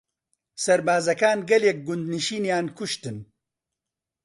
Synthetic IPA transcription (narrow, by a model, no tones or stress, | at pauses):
sɐɾbaːzɐkaːnɡɐleːk̚ɡʊnd̪niʃiːnjaːnkʊʃt̪ɨn